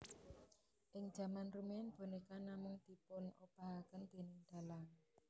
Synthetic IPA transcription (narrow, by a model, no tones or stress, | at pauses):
ʔɪŋd̥d͡ʒ̥ä̤manrumianb̥o̤nekanamʊŋd̪̥i̤pʊnupaɦakənd̪̥e̤nɪŋd̪̥a̤laŋ